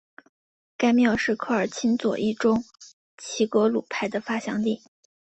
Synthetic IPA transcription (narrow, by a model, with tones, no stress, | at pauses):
ka˥ɪmjɑ˥˧ʊʂɻ̩˥˧kʰɤ˥˧ə˞˨˩t͡ɕʰi˥nt͡swɔ̰˨˩ʔi˥˩ʈ͡ʂʊ˥ŋ | t͡ɕʰi˧˥kwɔ˧˥lu˨˩pʰa˥˩ɪd̪ə˨fa˥ɕjɑ̰˧˥ŋt̪i˥˩